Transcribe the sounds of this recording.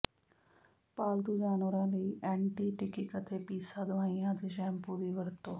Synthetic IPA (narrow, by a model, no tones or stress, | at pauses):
paːld̪uːd͡ʒaːnʋəɾãːləiːʔɛ̃ːɳʈiːʈɪkɪkət̪eːpiːsaːd̪əʋaːiːãːt̪eːʃɛːmpuːd̪iːʋəɾt̪õː